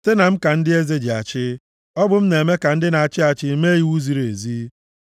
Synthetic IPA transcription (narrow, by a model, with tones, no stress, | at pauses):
te˦na˨m̩˦ka˨n̩˦dɪ˦e˦ze˦d͡ʒi˨a˨t͡ʃɪ˦ | ɔ˦bʊ˦m̩˦ne˨me˦ka˨n̩˦dɪ˦na˨a˨t͡ʃɪ˦a˨t͡ʃɪ˦me˦ji˦wu˦zi˨ɾe˨zi˦